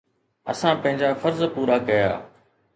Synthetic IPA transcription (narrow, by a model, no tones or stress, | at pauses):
ə̰sãːpɐ̃ɦɪ̃d͡ʑaːfəɾzpuːɾaːkɐja̰ː